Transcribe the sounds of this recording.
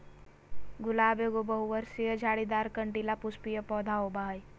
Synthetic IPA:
ɡʊlaːbeɡobɐɦuʋəɾsiəd͡ʒʱaːɽid̪aːɾkɐɳʈilapʊspijəpɔːd̪ʱaːobaːj

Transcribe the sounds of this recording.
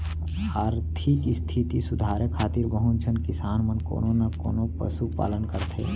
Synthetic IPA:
aːɾt̪ʰikst̪ʰit̪isʊd̪ʱaːɾəkʰaːt̪iɾbəɦʊnd͡ʒʰənkɪsaːnmənko̰ːnonako̰ːnopə̰supa̰ːlənkəɾt̪ʰḛː

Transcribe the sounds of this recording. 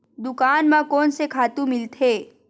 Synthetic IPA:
d̪ʊkaːnmãkɔːnsekʰaːt̪ũmɪlt̪ʰeː

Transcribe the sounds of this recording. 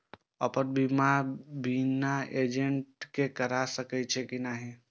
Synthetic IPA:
əpəɾbʱimabinaed͡ʒeɳʈkekəɾasəkɛt͡ʃʰɛkinaɦi

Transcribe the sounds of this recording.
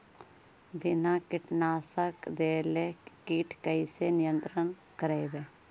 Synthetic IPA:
bɪnakɪʈnaːsəkd̪eːlekiʈʰkəɪsenɪjə̃nt̪ɾən | kəɾeebeː

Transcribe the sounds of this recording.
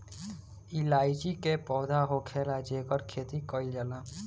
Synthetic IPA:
ɪlaːid͡ʒikepɔːd̪ʱaɦokʰeːlad͡ʒeːkəɾkʰeːt̪ikəid͡ʒəlaː

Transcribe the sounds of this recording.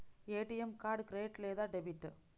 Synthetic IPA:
eːʈːijɛmkaːɖkɾeːʈleːðaːɖɛbiʈː

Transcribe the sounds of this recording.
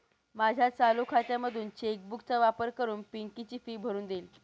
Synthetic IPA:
mad͡ʑʱjat͡salukʰat̪jaməd̪ʱuːnt͡ɕek̚bukt͡saʋapəɾkəɾuːnpiŋkit͡ɕiːfiːbʱəɾuːnd̪el

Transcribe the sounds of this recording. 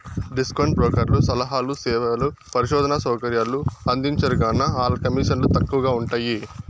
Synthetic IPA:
ɖiskɐɳʈpɾɔːkɐɾlusɐlɐɦaːlusɛːʋɐlupɐɾiʃɔːd̪ʱɐnɐsɔːkɐɾjaːluɐnd̪iɲt͡ʃɐɾuɡaːnːɐaːlɐkɐmiːʂɐnlut̪ɐkːuʋɐɡaːuɳʈaːji

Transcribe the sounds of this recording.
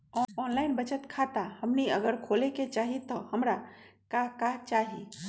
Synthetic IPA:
ɔːɔːnlaːɪnbət͡ʃət̪kʰaːt̪ahəmniəɡəɾkʰoːleket͡ʃaːɦit̪ɔhəmɾakakat͡ʃaːɦi

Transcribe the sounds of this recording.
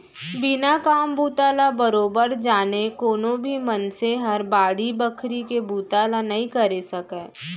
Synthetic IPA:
bɪnakaːmbuːt̪aːlabəɾoːbəɾd͡ʒaːnekoːnõbʱimɐnseɦɐɾbaːɽibəkʰɾikebuːt̪aːlanɐɦĩkɐɾesɐkẽː

